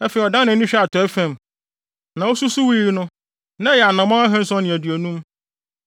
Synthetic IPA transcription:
ɛ˦fɛ˨i˨ɔ˨dã˦nã˨˦nĩ˦ɕᶣɛ˦a˨tʰɔ˨˦ɛ˦fæ̃˨m | nã˨wo˦su˦su˦wi˦ɾi˦nʊ̃˦ | nã˦jɛ˨a˨nã˨mã˦a˦ɦɛ̃˦n̩˦sɔ̃˦nɪ̃˨æ˨dɥæ˨nũ˦m

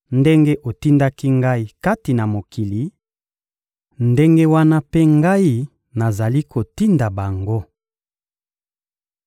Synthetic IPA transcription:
nde˦ŋɡe˦ʔo˨ti˦nda˦ki˦ŋɡa˦i˦ka˦ti˨na˨mo˨ki˨li˨˦ | nde˦ŋɡe˦wa˦na˦pe˦ŋɡa˦i˦ | na˨za˨li˦ko˨ti˦nda˨ba˨ŋɡo˦

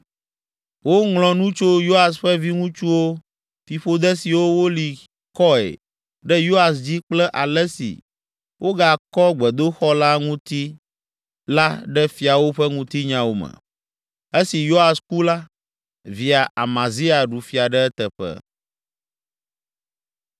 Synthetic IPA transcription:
wo˦ŋlɔ̃˨nũ˦t͡ʃo˦jo˦a˨sɸə˦vi˦ŋũ˦t͡ʃu˦wo˦ | fi˨ɸo˦d̪ɛ˦si˨wo˦wo˦li˨ | kɔ˦ɛ̰˨ | ɖɛ˦jo˦a˨s̬d͡ʑi˦k͡plɛ˦ʔa˨lɛ˦sḭ˨ | wʔo˦ɡa˨kɔ˦ɡ͡bɛ˨d̪o˦xɔ˦la˦ŋũ˦t̪i˦ | la˦ɖɛ˦fi˨a˨wo˦ɸɛ˦ŋũ˦t̪i˦ɲã˦wo˨mɛ̰˨ | e˦si˨jo˦a˨sku˦la˦ | vi˨a˨ʔa̰˨mã˨zi˦a˨ɖu˨fi˨a˨ɖɛ˦ɛ˦t̪ɛ˨ɸɛ̰˦˨

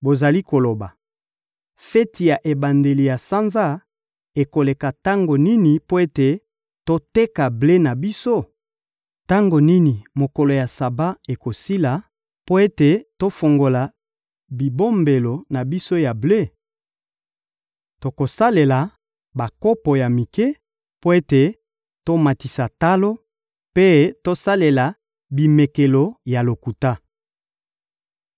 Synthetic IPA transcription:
bo˨za˨li˦ko˨lo˨ba˨ | fɛ˦ti˨ja˨ʔe˨ba˨nde˨li˨ja˨sa˦nza˦ | e˨ko˨le˨ka˨ta˦ŋɡo˨ni˦ni˨po˦e˦te˨ | to˦te˦ka˨ble˦na˨bi˦so˦ | ta˦ŋɡo˨ni˦ni˨mo˨ko˨lo˨ja˨sa˨ba˦e˨ko˨si˦la˨ | po˦e˦te˨to˦fo˨ŋɡo˨la˨ | bi˨bo˦mbe˨lo˨na˨bi˦so˦ja˨ble˦˨ | to˨ko˨sa˦le˨la˨ | ba˨ko˦po˨ja˨mi˨ke˦ | po˦e˦te˨ | to˦ma˨ti˨sa˨ta˦lo˦ | pe˦to˦sa˦le˨la˨ | bi˨me˨ke˨lo˨ja˨lo˨ku˨ta˦

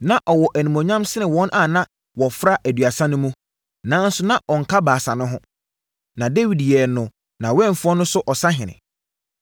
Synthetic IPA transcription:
nã˨ʔɔ˨wɔ˨ʔæ˨nĩ˨mɔ̃˨ɲã˦msɪ˦ɪ̃˨wɔ̃˦nʔa˦˨nã˦ | wɔ˨fɾa˦ʔæ˨dɥa˨sã˦nʊ̃˦mũ˦ | nãː˨˦n̩˦sʊ˦nã˨ʔɔ˨ŋ̩˨kʰa˦baː˨sa˨nʊ̃˦ɦʊ̃˦ | nã˨de˦wi˨djɛ˨nʊ̃˨ | nã˨wɛ̃˦˨fʊ˦ɔ˦nʊ̃˦sʊ˦ʔɔ˨sã˦ɦɪ̃˨nɪ̰̃˨

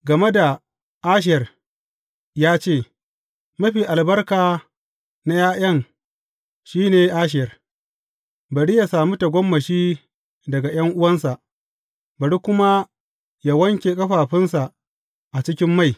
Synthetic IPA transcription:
ɡɐ˨me˦da˨ | ʔa˦ʃ̬ɪ˦˨jɐ˨r | jaː˦t͡ʃeː˦˨ | mɐ˦ɸiː˨ʔa˨lbɐ˦rkaː˨ | na˦jaː˦j̰ɐ˦ŋ | ʃiː˦neː˨ʔa˦ʃ̬ɪ˨jɐ˨r | bɐ˨ɽi˦ja˨saː˨mu˦ta˨ɡʷɔ˦mːɐ˨ʃiː˦ | dɐ˨ɡa˨j̰ɐ˦ŋʔʊ˦wɐ˦nsa˨ʔ | bɐ˨ɽi˦kʷʊ˦ma˦ | ja˨wɐ˦ŋkʲeː˨kʼɐ˦ɸaː˨ɸɪ˦nsa˨ | ʔa˨t͡ʃɪ˦kʲɪ˦mːa˦˨j

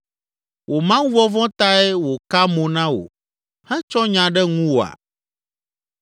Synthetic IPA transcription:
wʔo˨mã˦wũ˦vɔ˦vɔ̃˦t̪a˦ɛ˦wo˨ka˦mõ˨nã˦wo̰˨ | hɛ̃˦t͡ʃɔ˦ɲã˨ɖɛ˦ŋũ˦wo˨a̰˨

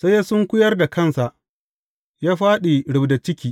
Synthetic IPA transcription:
sa˦jːa˦sʊ˦ŋkʷʊ˦jɐ˦rda˨kʰɐ˦˨nsa˨ʔ | jaː˦ɸaː˦ɗe˨ɽʊ˨bda˨t͡ʃɪ˦kʲiː˨

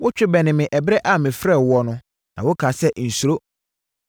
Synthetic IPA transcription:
wʊ˦t͡ɕᶣɪ˦bɛ˨nɪ̃˨mɪ̃˨ʔɛ˨bɾɛ˦ʔa˦˨mɪ̃˨fɾɛ˦˨wɔ˦nʊ̃˦ | nã̰˨wʊ˦kʰa˨sɛ˦n̩˨su˨ɾo˦

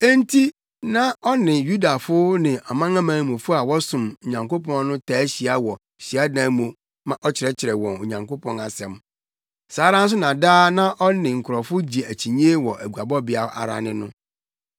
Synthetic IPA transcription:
e˦n̩˦tʰi˦ | nã˦ɔ˦nɪ̃˨ju˦da˨fʊ˦nɪ̃˨ʔa˨mã˦ŋã˦mãː˨n˦mõ˨fʊ˦a˨wɔ˦sʊ̃˨mo˨ɲã˨ŋko˦pʰɔ̃˦n˦nʊ̃˦tʰaː˨˦ɕi˨a˦wɔ˨ | ɕi˨a˦dã˨˦mõ˨ | mã˦ʔɔ˦t͡ɕʰɪ˨ɾɛ˦t͡ɕʰɪ˨ɾɛ˨wɔ̃˨no˨ɲã˨ŋko˦pʰɔ̃˦na˨sɛ̃˨m | saː˨˦ɾã˦n̩˦s̬ʊ˦nã˨daː˦nã˦ʔɔ˦nɪ̃˨ŋ̩˨kʰɾɔ˨fʊ˦d͡ʑi˨æ˨t͡ɕʰi˨ɲĩ˦e˦wɔ˨ʔæ˨ɡu˨a˨bɔ˦bɪ˨a˨˦ʔa̰˨ɾa̰˨nɪ̃˦nʊ̃˦

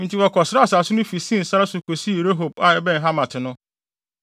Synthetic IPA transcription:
n̩˨ti˨wɔ˨kʰɔ˨sɪ˦ɾa˦˨sa˨sʊ˦nʊ̃˦fi˨sĩ˦n̩˨sa˦ɾa˦sʊ˨kʰo˨si˦˨ɾe˦ɦo˨ba˨ɛ˨bɛ̃˦n˨ɦa˦mã˨tʰɪ˨nʊ̃˦

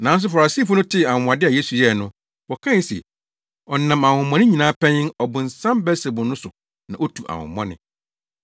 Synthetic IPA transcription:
nã˨˦n˦s̬ʊ˦fa˨ɾa˨siː˦fʊ˦nʊ̃˦tʰɪ˦a˨ʊ̃˨m˨a˨dɪ˦a˨je˦su˨jɛ˦˨nʊ̃˦ | wɔ˨kʰã˦˨˦sɛ̰˨ | ɔ˨nã˨ma˨hʊ̃˨˦mɔ̃˦nɪ̃˦ɲĩ˨nãː˨˦pʰɛ̃˦ɲɪ̃˦nɔ˨bʊ̃˨n̩˨sã˦mbɛ˦se˨bʊ̃˨nʊ̃˦sʊ˨ | nã˨ʔo˦tʰu˨ʔa̰˨hʊ̰̃˨mːɔ̰̃˦nɪ̰̃˨

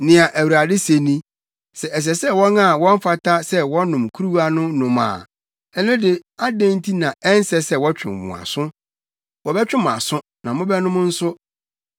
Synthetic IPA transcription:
nɪ̃˨a˨ʔæ˨wu˨a˨dɪ˦se˨nĩ˦ | sɛ˨ɛ˨s̬ɛ˨sɛ˦wɔ̃˦na˨wɔ̃˦m˦fa˦tʰa˦sɛ˦wɔ̃˦nʊ̃˨m˨kʰu˦ɾu˦wa˦nʊ̃˦nʊ̃˨ma̰ː˨ | ɛ˦nʊ̃˦dɪ˨a˦dɛ̃˦n˦tʰi˦nã˨ɛ˦n˦sɛ˦sɛ˦wɔ˦t͡ɕᶣɪ̰̃˨mwʊ̰̃˨a̰˨sʊ̃˦ | wɔ˨bɛ˦t͡ɕᶣɪ̃˦m˨a̰˨sʊ̃˦ | nã˨mʊ̃˦bɛ˦nʊ̃˦m˦n̩˦sʊ˦

